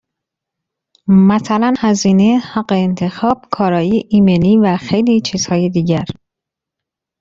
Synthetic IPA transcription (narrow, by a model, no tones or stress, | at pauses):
mæsælænhæziːne̞hæɢeːnt̪ʰe̞xɒːb̥kʰɒːɾɒːjiʔiːmeliːvæxejliːt͡ʃʰiːz̥hɒːjed̪iːɟæɾ